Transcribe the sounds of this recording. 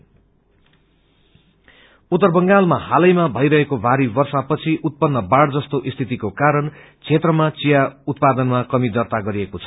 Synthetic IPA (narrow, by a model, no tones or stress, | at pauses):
ut̪ːʌrbʌŋɡalmahalʌjmabʱʌjɾʌɦekobʱaɾibʌrsapʌt͡sʰiʔut̪̚pʌnːʌbaɽd͡zʌst̪oʔist̪ʰit̪ikokaɾʌn | t͡sʰet̪rʌmat͡sijaut̪̚pad̪ʌnmakʌmid̪ʌrt̪aɡʌɾiekot͡sʰʌ̥